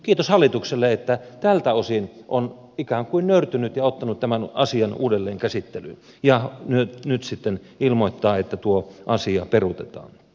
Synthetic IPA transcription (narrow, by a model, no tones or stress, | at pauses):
kiːt̪oshɑlːˑit̪ukselːeet̪ːæt̪ælt̪æosinʔon | ikæːŋkuinnøyrt̪ynyt̪jɑot̪ːɑnut̪t̪æmænɑ̰siɑnṵːdelːeːŋkæsit̪ːelyn | jɑnytnyt̪sit̪ːen | ilmoit̪ːɑːet̪ːæt̪uoʔɑsiɑperut̪et̪ɑ̰ːn